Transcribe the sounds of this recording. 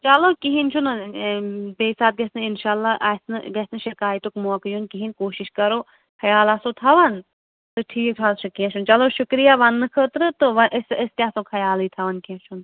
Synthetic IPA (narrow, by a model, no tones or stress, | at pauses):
t͡ʃɐloːkiɦint͡ʃʰunɨ | beːsaːt̪̚ɡɐsnɨɪnʃaːlːaʔɐsnɨɡɐsnɨʃɐkaːjt̪okmokjunkiɦinkoːʃiʃkɐɾoː | kʰɐjaːlɐsoːt̪ʰɐʋɐn | t̪ɨʈʰiːk̚ʈʰaːlʃʰukiɐ̃t͡ʃʰunt͡ʃɐloːʃʊkɾijaʋɐnːɨkʰət̪ɾɨt̪ɨʋɐʔsəst̪ʲjasokʰɐjaːliːt̪ʰɐʋɐnkiɐ̃t͡ʃʰun